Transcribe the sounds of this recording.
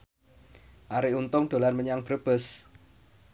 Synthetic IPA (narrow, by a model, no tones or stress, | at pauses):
ʔaɾiunt̪ʊŋd̪̥o̤lanməɲaŋb̥əɾəb̥əs